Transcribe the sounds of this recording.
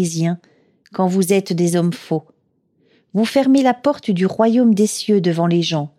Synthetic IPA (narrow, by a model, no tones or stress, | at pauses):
izjɛ̃ | kɑ̃vuzɛt̪d̪ezɔmfo | vufɛʁmelapɔʁt̪d̪yʁwajomd̪esjød̪əvɑ̃leʒɑ̃